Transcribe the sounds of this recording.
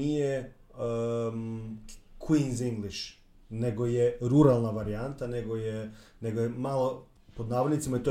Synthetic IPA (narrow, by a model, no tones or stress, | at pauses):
ije | kwinziŋɡliʃ | ne̞ɡojeɾuɾalˠnaʋaɾijant̪ane̞ɡojene̞ɡojemalo | pod̪naːʋod̪nit̪simaet̪o